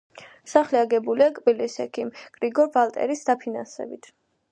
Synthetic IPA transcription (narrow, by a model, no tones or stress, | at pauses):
saχliaɡɛbuliakʼbilisɛkʰimɡ̥ɾiɡɔɾbalˠt̪ʼɛ̰ɾisd̪apʰinansɛ̰bit̪ʰ